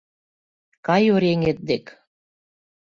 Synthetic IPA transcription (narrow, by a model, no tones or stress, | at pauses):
kɑjoɾeŋet̪̚d̪ek